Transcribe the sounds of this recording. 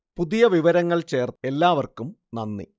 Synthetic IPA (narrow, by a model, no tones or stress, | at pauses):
puðijɐʋiʋɐɾɐŋːɐɭt͡ɕe̞ːrt̪e̞lːaːʋɐrkumnɐnːḭ